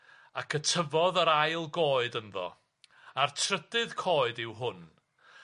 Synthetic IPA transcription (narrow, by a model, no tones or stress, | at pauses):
akʰətʰəvɔðəɾajlˠɡoːɨdənðɔ̰ | artʰrədɨð̥kʰoːɨdɪwɦʊn